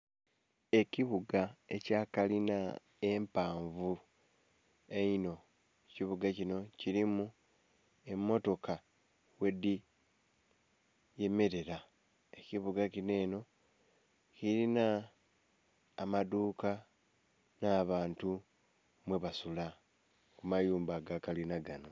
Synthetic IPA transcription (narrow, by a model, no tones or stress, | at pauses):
e̞ciβuɡae̞caːkalina | empaːɱvu | eino̞ | eciβuɡacino̞ciɾimu | e̞mːo̞to̞ka | we̞di | je̞meɾe̞ɾa | eciβuɡacine̞ːno̞ | ciɾina | maduːka | naːβaːntu | mwe̞βasula | kumajuːmbaɡakalinaɡano